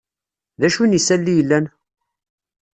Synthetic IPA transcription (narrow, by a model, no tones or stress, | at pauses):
ðæʃunisælːijəlːæn